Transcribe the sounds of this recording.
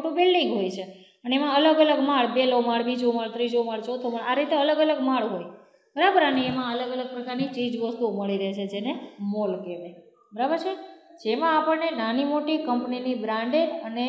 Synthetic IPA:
oʈũbɪlɖĩŋɡɦojt͡ʃʰe | pənemãələɡələɡmaɭbelomaɭbid͡ʒumaɭt̪ɾid͡ʒomaɭt͡ʃʰot̪ʰomaɭaɾit̪eələɡələɡmaɭɦoj | b̥əɾabəɾaniemãələɡələɡ̚pɾəkaɾnit͡ʃid͡ʒʋəst̪uməɭiɾəɦt͡ʃʰed͡ʒenemolkeʋe | bəɾabət͡ʃed͡ʒemãapəɭnenanimoʈikəmpninibɾãɳɖeəne

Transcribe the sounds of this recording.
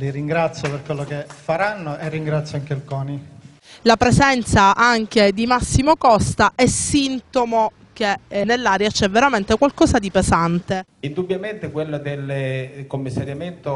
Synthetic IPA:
liɾiŋɡɾat̪sːjoperkwelːokefːaɾanːoʔerːiŋɡɾat̪sjɔaŋkelkɔːni | lapɾezɛnt̪saʔaŋk̟ed̪imasːimokɔst̪aʔɛsːint̪omo | kenelːaːɾjat͡ʃɛvːeɾament̪ekwalkɔːsad̪ipezant̪e | ind̪ubjament̪ekwelːod̪elekomːisːaɾjament̪o

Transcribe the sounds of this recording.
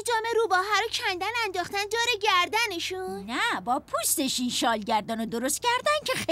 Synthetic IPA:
d͡ʒɒːmeɾuːbɒːɦæɾocʰænd̪ænænd̪ɒːχt̪ænd̪oːɾeɟæɾd̪æneʃunnæbɒːpʰust̪e̞ʃinʃɒːlɟæɾd̪ɒːnod̪o̞ɾost̪̚cʰæɾd̪æncʰe̞xe

